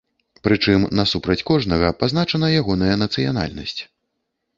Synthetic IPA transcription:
pɾɨt͡ʂɨmnɐsupɾɐt͡sʲkɔʐnɐɣɐpaznat͡ʂɐnɐjaɣɔnɐjɐnɐt̪sɨja̰na̰lʲnɐ̰sʲt͡sʲ

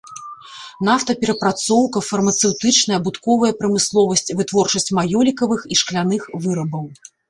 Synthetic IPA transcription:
n̪aft̪ɐpʲɛɾɐpɾat̪sɔwkɐfɐrmɐt̪sɛwt̪ɨt͡ʂnɐjɐbut̪kɔvɐjɐpɾɐmɨslˠɔvɐsʲt͡sʲvɨt̪vɔrt͡ʂɐsʲt͡sʲmajɔlʲikɐvɨxiʂklʲanɨxvɨɾɐbɐw

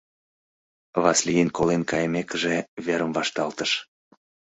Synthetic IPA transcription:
vɑslʲijənkolenkɑjəmekəʒeβeɾəmvɑʃt̪ɑlt̪əʃ

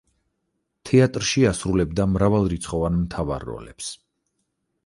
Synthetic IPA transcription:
t̪ʰɛat̪ʼɾʃiasɾulɛbd̪amɾavalˠɾit̪sʰχɔvanmt̪ʰava̰ɾːɔ̰lɛ̰ps

